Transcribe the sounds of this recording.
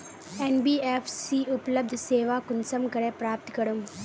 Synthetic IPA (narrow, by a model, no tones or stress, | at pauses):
enbiːefsiːʔʊpləb̚d̪ʱseːʋaːkʊnsɐmkɐɾepɾaːp̚t̪kɐɽum